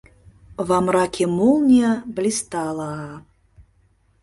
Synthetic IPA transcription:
vamɾakʲimulˠnʲɐblʲist̪alˠɐa

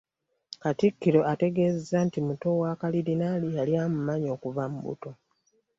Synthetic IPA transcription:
katikːiɾo̞ʔate̞ɡe̞ːzezantimuto̞waːkalidinalijaljaːmumaɲo̞ːkuvamubṵto̞

